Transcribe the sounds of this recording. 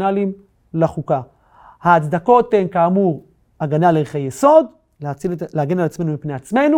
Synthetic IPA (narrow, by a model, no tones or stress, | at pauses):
nalim | laχuka | haːt͡sd̪ako̞t̪ːemkaːmuʁ | aɡanaleʁχejeso̞d | leat͡sieaɡenalat͡smenumipne̞at͡sme̞nu